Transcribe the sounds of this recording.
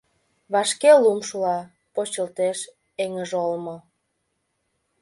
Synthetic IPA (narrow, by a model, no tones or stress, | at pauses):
βɑʃkelumʃulɑ | pot͡ɕəlt̪eʃ | eŋəʒolmŏ